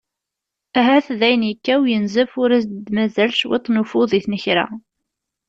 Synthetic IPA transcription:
æɦæθðæjnjəkːæwjənzəfʊɾæsd̪mæzælʃwḛt̪ˤːnufʊðˤiθnəçɾæ̰

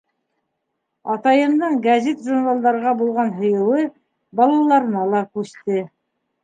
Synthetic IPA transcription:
ɑt̪ɑjɤ̆md̪ɤɴɡæzʲet̪ʒurnalˠd̪ɑɾʁɑbulˠʁɑnɦŏjɤ̆wɤ | bɑlˠɑlˠɑɾɤnɑlˠɑkʉʃt̪ɘ

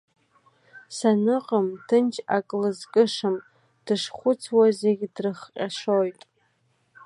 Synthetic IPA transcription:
sanɨqʼamtʰɨnt͡ʃʰʼakʼlɨzkʼɨʂɨm | d̥ɨʂχʷʊt͡sʰwazeɡʲdrɨχqʲʼaʂojtʼ

